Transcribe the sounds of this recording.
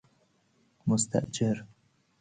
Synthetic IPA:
mʊst̪a̰ʔd͡ʒɪɾ

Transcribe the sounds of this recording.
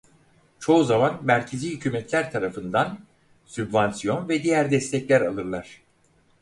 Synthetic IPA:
t͡ʃʰo̞uzamanmæɾcʰeziːhycʰyːmɛt̪ʰlʲæɾt̪ʰaɾafɯnd̪an | sybvansijo̞nvɛd̪ijæɾd̪ɛst̪ʰɛclʲæɾalˠɯɾlˠaɾ̥

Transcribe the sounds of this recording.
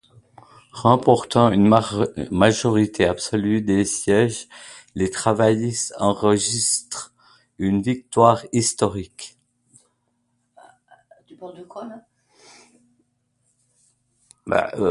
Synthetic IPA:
ʁɑ̃pɔʁt̪ɑ̃ynmaʒɔʁit̪ʰeabsɔlyd̪esjɛʒ | let̪χavajisɑ̃ʁəʒist̪χ | ynvik̚t̪waʁist̪ɔʁik | t̪ypald̪əkwa | ba̰

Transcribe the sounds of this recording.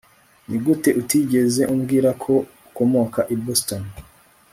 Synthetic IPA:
nʔiɡute̞ʔutiɟe̞ze̞ʔumɡiːɾakʰo̞ | uko̞mo̞kaʔiboston

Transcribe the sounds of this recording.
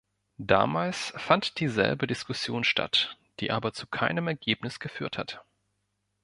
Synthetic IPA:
d̥a̰ːmaːlsfantd̥iːzɛ̰lbədɪskʊsjoːnʃtʰa̰t | d̥iːʔaːbɐt͡sukʰaɪnəmɛɐɡeːpnɪsɡ̥əfyːɐthat

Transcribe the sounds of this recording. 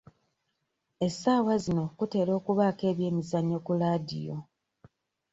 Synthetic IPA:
e̞saːwazino̞kute̞ːɾo̞ːkuβaːke̞ːβje̞ːmizaɲːo̞kulaːdḭjo

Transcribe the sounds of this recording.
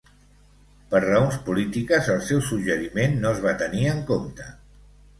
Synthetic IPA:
pəɾrəonspulit̪ikəzəlˠsɛwsuʒəɾimenːoəzβat̪əniəŋkomt̪ə

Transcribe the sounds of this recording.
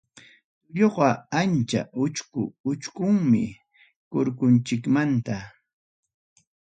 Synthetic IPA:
ʊʎoɢɑant͡ʃa̰ʊt͡ʃkʊʊt͡ʃkʊŋmɪ̰ | koɾkʊnt͡ʃɪkmant̪a

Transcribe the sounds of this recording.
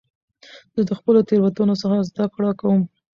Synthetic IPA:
zəd̪əxpəlot̪eɾwat̪unos̬əxazd̪akɽɑkawəm

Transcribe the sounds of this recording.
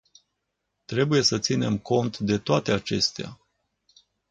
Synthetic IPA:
t̪ɾe̞buje̞sət̪sine̞mko̞nt̪d̪e̞t̪oat̪e̞at͡ʃe̞st̪ea̰

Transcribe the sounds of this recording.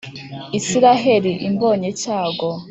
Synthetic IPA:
isiɾaɦe̞ɾiʔimbo̞ːɲecaːɡo

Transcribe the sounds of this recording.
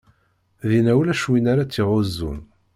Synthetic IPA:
ðinæwlæʃwinaɾat͡sːiʁozːṵn

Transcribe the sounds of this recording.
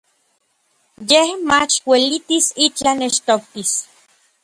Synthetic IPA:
jehmat͡ʃwelit̪isit͡ɬaneʃt̪ok̚t̪is

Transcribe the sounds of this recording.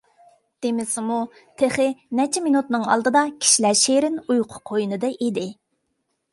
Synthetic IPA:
d̪̥emɪsɪmu | t̪ʰeχɪnɛt͡ʃʰɛminut̪nɨŋɑ̰lˠd̪ɨd̪ɑkʲʰi̥ʃilæɾʃeɾɪnujqʰʊ̥qʰojnɨd̪ɨʔed̪ɪ

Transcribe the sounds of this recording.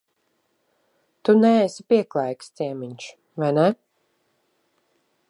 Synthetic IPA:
t̪unɛesipiɛklˠajkst̪sɛɛmiɲt͡ʃ | vajnɛ

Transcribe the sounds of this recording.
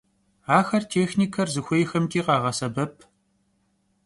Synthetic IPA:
aːxɐrtʰeːxniːkʰɐrzɨxʷejxɐmtʰʼiːqɑːʁɐsɐbɐpʰ

